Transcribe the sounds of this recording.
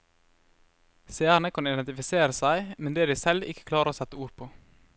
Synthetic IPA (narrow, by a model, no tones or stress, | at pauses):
seæːɾnəkʰɑnɪd̪ɛnt̪ɪfɪseːɾəsæɪmɛnd̪eːd̪iɪsɛlɪkə̥kʰlɑːɾəɾoːsɛt̪ːəuːɾpʰoː